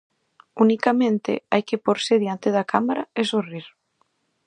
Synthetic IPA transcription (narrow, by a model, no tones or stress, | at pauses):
unikamẽnt̪ɪ̰ajkepoɾseðjant̪eðɐkʰamaɾaesoriɾ